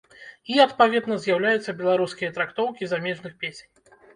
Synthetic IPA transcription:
iɐt̪pavʲɛd̪nɐzʲjawlʲajut̪sːɐbʲɛlˠaɾuskʲijɐt̪ɾakt̪ɔwkʲizamʲɛʐnɨxpʲesʲenʲ

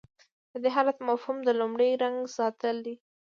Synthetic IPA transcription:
d̪əd̪eɦɑlat̪mafhumd̪əlumɽəjɾaŋɡsɑt̪əld̪i

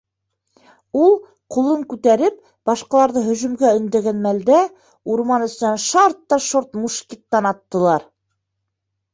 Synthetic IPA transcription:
ulˠ | qulˠɤŋkʉt̪æɾɘp̚ | b̥ɑʃqɑlˠɑɾðɤɦɵ̆ʒɵ̆mɡæɵ̆nd̪æɡænmæld̪æ | uɾmɑnɵ̆s̆nænʃɑɾt̪ːɑʃoɾt̪muʃkit̪ːɑnɑt̪ːɤ̆lˠɑɾ

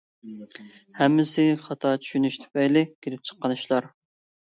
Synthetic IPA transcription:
hɛmːɪsɪχɑt̪ʰɑt͡ʃʰy̥ʃynyʃt̪ʰy̥pɛjlɪkʲelɪp̚t͡ʃʰə̥qːɑnɨʃlˠɑɾ

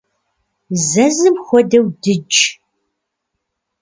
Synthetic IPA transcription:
zɐzɨmxʷɔdɐwdɨd͡ʒ

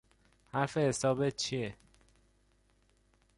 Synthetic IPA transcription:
haɾfe̞hesɒːbet̪̚t͡ʃʰie

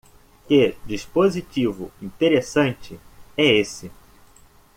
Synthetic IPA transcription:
ked͡ʒispozit͡ʃivʊ̰ĩnt̪eɾesɐ̃nt͡ʃɪɛesɪ

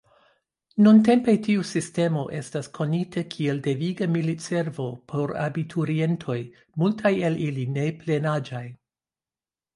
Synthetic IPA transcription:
nunte̞mpe̞tiusiste̞mo̞ʔe̞staskʰo̞nitʰakʰieldeviɡamilitse̞ɾvo̞pʰo̞ɾa̰bitʰuɾie̞ntʰo̞j | multʰajeliline̞ple̞nad͡ʒaj

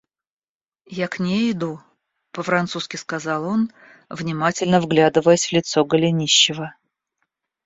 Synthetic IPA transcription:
jaknʲeɪd̪u | pəfɾɐnt̪suskʲɪskɐzɑlˠo̞n | vnʲɪmatʲɪlʲnəvɡlʲad̪ɨvəjəsʲv̥lʲɪt̪soɡəlʲɪnʲiɕːɪvə

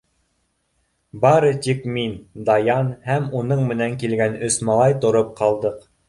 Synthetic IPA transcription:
bɑɾɤt̪ikmind̪ɑjɑnhæmunɤɴmɘ̆næŋkilɡænɵ̆smɑlˠɑjt̪ŏɾɤp̚qʰɑlˠd̪ɤq

